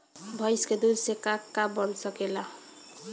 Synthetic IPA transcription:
bʱʌjsked̪uɾsekakːabɔnsʌkela

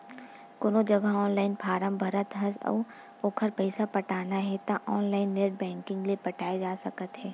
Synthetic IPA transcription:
kʊnod͡ʒɐɡaɔːnlaːɪnpʰaːɾəmbʱɐɾət̪ɦɐsɔ̰ː | oːkʰəɾpɐɪsapɐʈʰaːnaɦɛt̪aʔɔːnlaːɪnːeːɾɖ̚bɛ̃ːŋkɪ̃ŋɡlepɐʈʰaːed͡ʒaːsɐkət̪ɦɛː

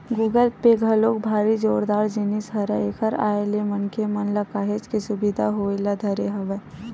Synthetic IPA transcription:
ɡuːɡəlpeɡʱɐloːk̚bʱaːɾid͡ʒoːɽd̪aːɾd͡ʒinisɦɐɾəekʰəɾa̰ːelemɐnkʰemɐnlɐkaːɦed͡ʒkesʊbɪd̪ʱaɦoːelad̪ʱɐɾeɦɐʋə

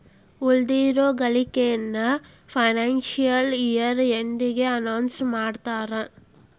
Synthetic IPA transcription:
uld̪iːɾoːɡɐlikejɐnːɐ | pʰɐjnaːnʃijɐlijɐɾend̪iɡeɐnɐwnsmaːɽt̪aːɾe

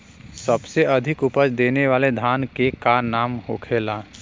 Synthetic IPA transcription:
səbseɐd̪ʱɪkʊpəd͡ʒd̪eːneʋaːled̪ʱaːnkekanaːmhoːkʰeːlaː

